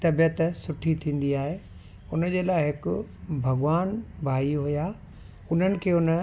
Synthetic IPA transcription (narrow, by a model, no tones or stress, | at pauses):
t̪ɐbjət̪sʊʈʰit̪ʰĩːn̆d̪iaːɦeː | ʊnd͡ʑeːlaːɪɦɪkʊbʱɐɠʋaːnbʱaːiɦuja | ʊn̤ənɪ̆kʰeːʊn